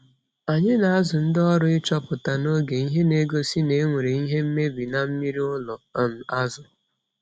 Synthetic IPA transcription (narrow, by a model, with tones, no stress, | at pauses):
a˨ɲɪ˦na˨a˦zʊ˨n̩˦dɔ˦ɾʊ˦ɪ˦t͡ʃɔ˦pʊ˨ta˨no˦ɡe˨i˦ɦe˦ne˦ɡo˦si˦ne˨˦ŋʷe˨ɾe˨i˦ɦe˦m̩˦me˦bi˨na˦m̩˦mi˦ɾi˦ʊ˦lɔ˨˦m̩˨a˦zʊ˨